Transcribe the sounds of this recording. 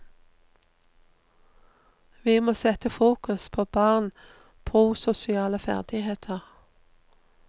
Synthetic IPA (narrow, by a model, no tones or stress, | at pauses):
ʋiːmoːsɛt̪əfuːkʉspʰoːb̥ɑːʁn | pʰʁuːsʊsɪɑːləfæ̰ʁd̪̥ɪheːt̪ʰəʁ